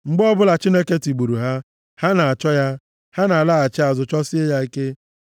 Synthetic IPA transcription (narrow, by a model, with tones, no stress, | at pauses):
ŋ͡m̩˨ɡ͡bɔ˦bʊ˦la˨t͡ʃi˦ne˦ke˦ti˨ɡ͡bu˨ɾu˨ɦa˦ | ha˦na˨a˨t͡ʃɔ˦ja˦ | ha˦na˨la˦a˨t͡ʃɪ˦a˨zʊ˨t͡ʃɔ˦si˦e˦ja˦i˦ke˦